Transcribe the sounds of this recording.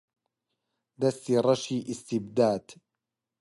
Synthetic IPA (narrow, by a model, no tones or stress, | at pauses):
d̪ast̪iɾˤɑʃiːʔɪst̪ɪbd̪aːd̪̥